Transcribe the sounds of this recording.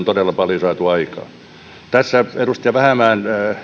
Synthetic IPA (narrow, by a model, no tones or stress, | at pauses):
nt̪odelːɑpɑljosɑːt̪uɑikɑ̰ː | t̪æsːæerust̪ijɑʋæhæmæːnː